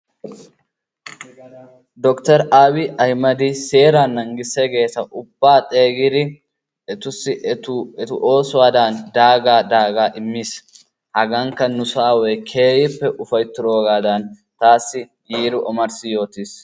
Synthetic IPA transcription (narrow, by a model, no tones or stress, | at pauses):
d̪ɔkt̪ɐɾaːwɪʔɐjmɐd̪ɪse̞ːɾaːnːɐŋɡɪsːɛɡe̞ːsɐʔʊb̥ːaːt̪ʼe̞ːɡɪd̪ɪ | ʔɛt̪ʊsːɪɛt̪ʊʔo̞ːsʊwaːd̪aːnd̪aːɡaːd̪aːɡaːʔɪmːiːs | hɐɡɐŋkːɐnʊsaːwɛjkʰe̞ːjɪpːɛʔʊfɐjt̪ːʊɾoːɡaːd̪aːn | t̪aːsːɪ | jiːɾʊʔɔmɐɾsɪjo̞ːt̪iːs